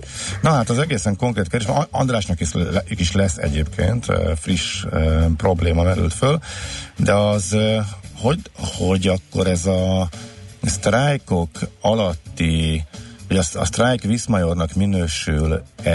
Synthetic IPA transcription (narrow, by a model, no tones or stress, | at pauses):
nɒɦaːt̪ɒzɛɡeːsɛŋko̞ŋkreːt̪kɛd̪eʃmɒnd̪raːʃnɒkiʃkiʃlɛsːɛ̰ɟeːpkʰḛːnt̪ːfriʃøpro̞bleːmɒmɛɾy̰lt̪føld̪ɛɒz | hoho̞ɟɒkːo̞ɾɛzɒ | st̪raːjko̞kɒlɒt̪ːi | ɒɟɒsɒ̰st̪raːjkʋismɒjo̞rnɒkminøːʃylɛ